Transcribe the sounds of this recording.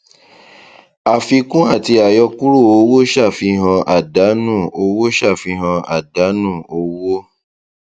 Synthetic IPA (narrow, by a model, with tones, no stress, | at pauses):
a˨fi˧kũ˦a˦˨ti˧a˨jɔ˧ku˦ɾu˦˨o˨˧˦wo˦ʃa˦˨fi˧ɦã˧ʔa˦˨da˨˦nũ˦˨o˧wo˦ʃa˦˨fi˧ɦã˧a̰˨da˨˦nũ˦˨o˧˦wo˦